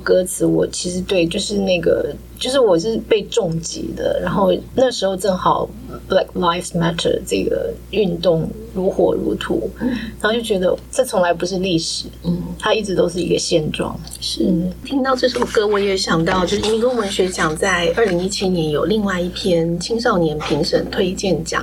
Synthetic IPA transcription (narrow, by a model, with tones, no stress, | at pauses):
kɤ˥t͡sʰɹ̩˧˥wɔ˨˩t͡ɕʰi˧˥ʂɻ̩˧˥t̪we˥˧ɪt͡ɕjo˥˧ʊʂɻ̩˥˧na˥˩ɡə̰˩ | t͡ɕjo˥˧ʊʂ̬ɻ̩˥˩wɔ˨˩ʂɻ̩˥˩˧pe˥˧ɪʈ͡ʂʊ˥˩ŋt͡ɕḭ˧˥d̪ə̰˧ɻa˧˥nxo˥˧ʊna˥˩ɡʂɻ̩˧˥xo˥˧ʊʈ͡ʂɤ˥˩ŋxɑ˨˩ʊ | bla˥˩kla˥˩ɪfmæ˥t̪ʰə̰˧˩ʈ͡ʂɤ̰˥˩ɡə̰˩ | y˥˧nt̪ʊ˥˩ŋ | ɻu˧˥xwɔ̰˨˩ɻṵ˧˥t̪ʰṵ˧˥˦ɻa˥˧t͡ɕo˥˩t͡ɕɥɛ˧˥d̪ə̰˧ʈ͡ʂɤ˥˩t͡sʰʊ˧˥ŋla˧˥ɪpu˧˥ʂɻ̩˥˧li˥˩ʂɻ̩˨˩˦t̪ʰa˥i˥˩ʈ͡ʂɻ̩˧˥t̪o˥ʊʂ̬ɻ̩˥˩i˧˥ɡə˧ɕjɛ˥˧nʈ͡ʂwɑ̰˥˩ŋ | ʂɻ̩˥t̪ʰi˥ŋt̪ɑ˥˧ʊʈ͡ʂɤ˥˩ʂo˨˩ʊkɤ˥wɔ˧˥jɛ˧˥ɕjɑ˨˩ŋt̪ɑ˥˧ʊt͡ɕjo˥˧ʂ̩˥˧˥ə˥wə˧˥nɕɥɛ˧˥t͡ɕjɑ˨˩ŋt͡sa˥˧ɪə˞˥˩li˧˥ŋi˥t͡ɕʰi˥njɛ˧˥njo˨˩ʊli˥˧ŋwa˥˧ɪi˥˩pʰjɛ˥nt͡ɕʰi˥ŋʂ̬ɑ˥˩ʊnjɛ˧˥npʰi˧˥ŋʂə˨˥˩ŋt̪ʰwe˥ɪt͡ɕjɛ˥˩nt͡ɕjɑ̰˨˦ŋ